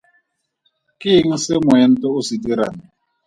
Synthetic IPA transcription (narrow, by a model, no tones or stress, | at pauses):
kiŋ̩semʊɛn̩tɔusidiɾa̰ːni